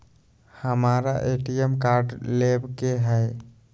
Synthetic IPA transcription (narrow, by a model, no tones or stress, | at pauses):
həmaɾa̰ʔeʈijəmkaɾɖlebkeɦɛj